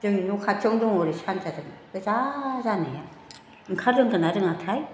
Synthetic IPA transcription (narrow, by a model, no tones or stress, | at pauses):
d͡ʒɯŋinukʰat͡ʃoŋdɔŋɔɾisant͡ʃaɾɯŋɯzazanaja | ŋkʰaɾɯŋkɯnaɾɯŋat̪ʰaj